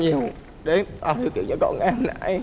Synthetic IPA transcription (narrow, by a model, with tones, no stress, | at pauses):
ɲi˨˩əw | ɗe˨˦ʔaː˨˩i˧˩kḭ˧˨wt͡ɕɔ̰˧˩kɔ̰˧˨nʔa˧nːa̰˧˩˨j